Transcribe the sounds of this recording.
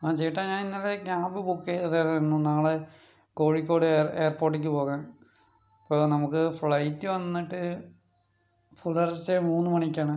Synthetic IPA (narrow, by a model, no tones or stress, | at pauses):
aːt͡ɕe̞jiʈːaːɲaːninːɐlekʲaːmbɨbukːejɐðeːlɐnːunaːɐɭe | ko̞ːɻikʲːo̞ːɽɨeːrpo̞ːrʈ̬ːik̬ʲːɨpo̞ːɣaːn | pːoːnɐmukːɨfɭɐjtːɨʋɐnːiʈːɨ | fulɐrsemuːnːɨmɐɳikʲːaːɳɨ